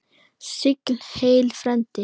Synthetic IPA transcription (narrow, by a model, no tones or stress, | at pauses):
sʏklheːlfɾɛmt̪ʰi